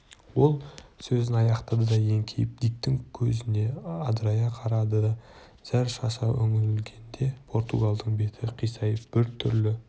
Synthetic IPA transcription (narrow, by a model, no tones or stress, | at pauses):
wo̞lˠsɵzɪnɑjɑqt̪ɑd̪əd̪ɑje̞ŋkʲʰejɪp̚d̪ijk̚t̪ɪŋkʲʰɵzɪne̞ɑd̪ɾɑjɑqʰɑɾɑd̪əd̪ɑ | z̥æɾʃɑsɑʔɵ̰ŋɪɾɪlɡʲe̞nd̪e̞pʰo̞ɾt̪uɡalˠd̪əɴbe̞t̪ʰɪqʰijsɑjəfb̥ɪɾt̪ʰʏɾlɪ